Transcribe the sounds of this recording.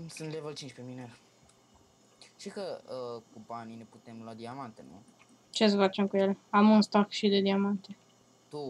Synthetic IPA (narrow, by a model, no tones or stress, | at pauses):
sɨnt̪levəlt͡ʃint͡ʃʲpemine | ʃt̪ikəəkubanine̞put̪e̞mload̪iamant̪enṵ | t͡ʃe̞sfat͡ʃe̞mkuje̞leamunst̪akʃid̪e̞d̪iamant̪e̞ | t̪u